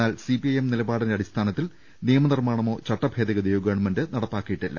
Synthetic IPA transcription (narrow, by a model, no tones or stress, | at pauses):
aːlsipiɐjemnilɐbaːɽindeɐɽist̪ʰaːnɐt̪ːil | nijɐmɐnirmaːɳɐmo̞ːt͡ɕɐʈːɐbʱe̞ːd̪iɣɐd̪ejoːɡɐɳmɐndɨnɐɽɐt̪ːaːkːijiʈːilːɐ̰